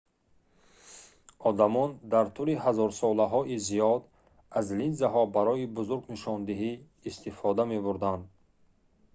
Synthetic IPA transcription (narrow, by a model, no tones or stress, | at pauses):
ɔd̪amɔnd̪aɾt̪ʰuliɦazɔɾsɔlaɦɔʔizijɔd̪ | azlinzaɦɔbaɾɔibuzuɾɡniʃɔnd̪iɦiː | st̪ifɔd̪ame̞buɾd̪and̪